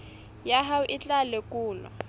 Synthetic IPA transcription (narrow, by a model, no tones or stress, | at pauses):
jaɦaʔɪt͡ɬʼalekʼuːla̰